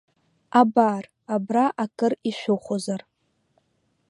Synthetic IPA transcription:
abar | abraʔakʼɨriʃʷᶣʊχʷozar

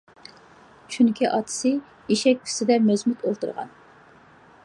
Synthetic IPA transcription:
t͡ʃʰyŋkʲʰiʔɑt̪ʰɨ̥sɨ | iʃɛk̚ʲpʲʰy̥sɪd̪ɛmøzmyt̪ʰolˠt̪ɨɾʁɑ̰n

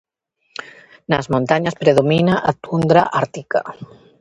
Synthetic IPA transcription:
nazmõnt̪aɲaspɾeðominaʔat̪und̪ɾaʔaɾt̪ika̰

